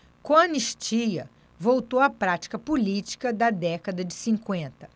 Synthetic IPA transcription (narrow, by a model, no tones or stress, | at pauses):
kõɐniʃt͡ʃiɐ̰ | vowt̪owɐpɾat͡ʃi̥kɐpolit͡ʃi̥kɐd̪ɐd̪ɛkɐd̪ɐd͡ʒɪsĩŋkwẽnt̪ɐ̥